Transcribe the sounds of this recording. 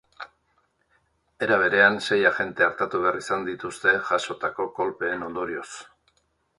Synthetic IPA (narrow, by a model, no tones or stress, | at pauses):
e̞ɾaβ̞e̞ɾe̞anse̞jaʝe̞nt̪e̞aɾt̪at̪uβe̞arisand̪it̪ust̪e̞ʝaso̞t̪ako̞ko̞lpe̞ːno̞nd̪o̞ɾio̞s